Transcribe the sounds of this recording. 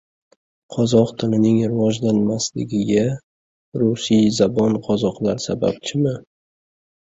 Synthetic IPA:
qʰɒzɒqt̪ʰɪlɪnɪŋɾɪvɒd͡ʒlanmaslɪ̰ɡʲɪɡʲa | ɾʊsijzabɒnqʰɒzɒqlaɾsa̰ba̰p̚t͡ʃʰɪmɪ

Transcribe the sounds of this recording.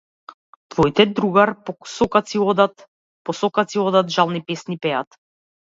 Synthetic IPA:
t̪vɔjt̪ɛd̪ɾuɡaɾpɔsɔkat̪siɔd̪at̪ | pɔsɔkat̪siɔd̪at̪ʒalˠnipɛsnipɛat̪

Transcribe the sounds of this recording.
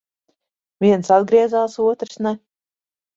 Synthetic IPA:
vʲiɛnsad̪ɡɾiɛzaːsuɔt̪ɾɨ̥snɛ

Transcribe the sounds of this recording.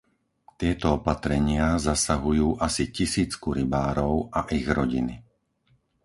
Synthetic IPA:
t̪ɪɛt̪ɔɔpat̪ɾɛɲɪazasaɦujuːʔasicisiːt͡skuɾibaːɾɔʊʔaʔiɣɾɔɟini

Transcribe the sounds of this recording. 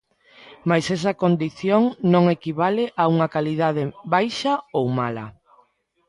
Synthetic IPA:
majsɛs̬ɐkond̪iθjoŋnõŋekiβaleʔauŋɐkaliðað̞eβajʃɐowmalɐ̰

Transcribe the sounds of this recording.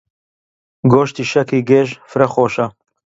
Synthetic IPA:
ɡoːʃt̪iːʃɐkiːɡeːʒfɾɐxoːʃɐ

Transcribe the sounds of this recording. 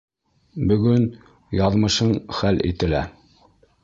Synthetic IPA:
bɵ̆ɡɵn | jɑðmɤ̆ʃɤɴχælʔḭt̪ɘ̆læ

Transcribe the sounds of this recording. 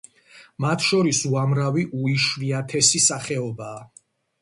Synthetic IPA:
mat̪ʰʃɔɾisuamɾaviʔuiʃviat̪ʰɛsisaχɛɔbaː

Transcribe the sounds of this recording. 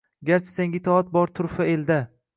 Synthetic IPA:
ɡʲaɾt͡ʃʰɪ̥seŋʲɪt̪ʰɒat̪̚bɒɾt̪ʰʊɾfae̞ld̪a

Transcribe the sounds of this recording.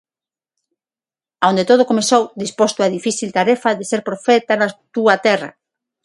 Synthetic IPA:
aond̪et̪oð̞okomesowd̪ispost̪oaðifiθilt̪aɾɛfaðeseɾpɾofɛt̪anat̪uɐt̪ɛrɐ̰

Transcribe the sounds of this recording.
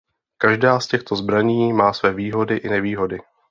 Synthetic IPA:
kaʒdaːscɛxt̪o̞zbɾaɲiːmaːsvɛːviːɦo̞dɪʔɪnɛviːɦo̞dɪ

